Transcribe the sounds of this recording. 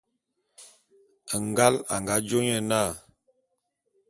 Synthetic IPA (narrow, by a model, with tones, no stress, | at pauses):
ŋ˨ɡa˦la̰˨ŋɡa˨˦d͡ʒo˦ɲə˦˨na˦˨